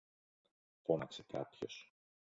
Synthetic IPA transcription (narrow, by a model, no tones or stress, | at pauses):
ponɐksekɐ̰pço̞̰s